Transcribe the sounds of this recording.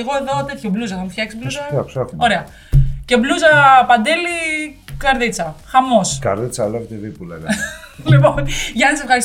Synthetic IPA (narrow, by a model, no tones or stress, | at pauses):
ɣo̞e̞ðo̞t̪e̞t̪çobluzɐðomufçɐksi̥bluzɐaksɐfo̞ɾe̞ɐ | ce̞bluzɐpɐnd̪elikɐɾðit͡sɐxɐmo̞skɐɾðit͡sɐlɐvt̪evipulɐɣliponʝɐnɐsefxɐɾis